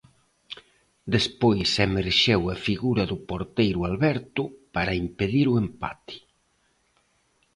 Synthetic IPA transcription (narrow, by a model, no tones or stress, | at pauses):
d̪espojsemeɾʃewɐfiɣuɾɐðʊpoɾt̪ejɾʊalβɛɾt̪ʊpaɾɐimpeðiɾʊempa̰t̪ɪ̥